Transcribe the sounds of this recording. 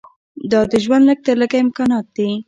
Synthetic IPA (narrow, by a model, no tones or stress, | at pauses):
d̪ɑd̪əʒwand̪ləɡ̚t̪əɾləɡaɪmkɑnɑt̪̚d̪i